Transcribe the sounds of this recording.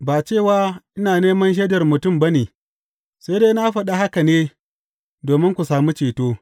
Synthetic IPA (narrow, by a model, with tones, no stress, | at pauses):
baː˨t͡ʃeː˦˨waː˦ʔɪ˦naː˨neː˦mɐ˦nʃ̬eː˦dɐ˨rmʊ˨tʊ˦˨mbɐ˦neː˨ | sa˦deː˦na˦ɸɐ˨ɗa˦ha˦ka˨neː˦ | doː˨mɪ˦ŋkʷu˨saː˨mu˦t͡ʃeː˨toː˦